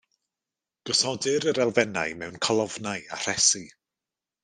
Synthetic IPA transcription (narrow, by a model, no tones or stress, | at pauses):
ɡ̥ɔsɔdɪɾəɾɛlˠvɛna̰jmɛwnkʰalˠɔvnaja̰r̥ɛsi